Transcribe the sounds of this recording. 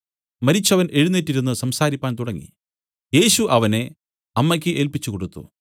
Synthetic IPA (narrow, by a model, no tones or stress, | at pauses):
mɐɾit͡ɕːɐʋɐnʔe̞ɻunːitːiɾunːɨsɐmsaːɾipʲːaːnt̪uɽɐŋːḭ | je̞ːɕuʔɐʋɐne̞ | ɐmːɐk̬ʲːɨʔeːlpit͡ɕːukoɽut̪ːṵ